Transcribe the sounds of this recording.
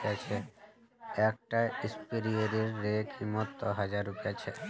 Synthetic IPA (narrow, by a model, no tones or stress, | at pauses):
at͡ɕʰe | ɛk̚ʈaispiɾioɾiɾːekimɔt̪ːoɦad͡ʑaɾupeat͡ɕʰe